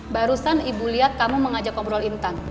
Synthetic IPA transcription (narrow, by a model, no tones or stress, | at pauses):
baɾusanibuliat̪̚kamuməŋad͡ʒakɔmpɾɔlint̪an